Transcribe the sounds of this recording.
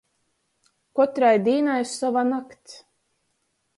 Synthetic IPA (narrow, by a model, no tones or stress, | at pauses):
kɔt̪ɾajd̪iːnajsavanakt̪s